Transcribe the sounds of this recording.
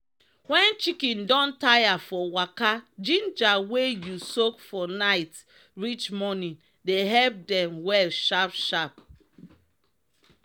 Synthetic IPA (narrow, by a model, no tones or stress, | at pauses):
wɛ̃nt͡ʃikĩndɔ̃ntajafɔwakad͡ʒĩnd͡ʒawejusokfɔnaɪt | ɹit͡ʃmɔnĩn | deɦɛlp̚dɛ̃mwɛlʃapʃap̚